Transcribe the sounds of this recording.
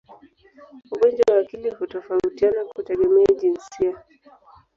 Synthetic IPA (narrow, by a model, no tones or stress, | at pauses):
uɠɔnd͡ʒwawaːkilihutɔfautianakutɛɠɛmɛaʄinsia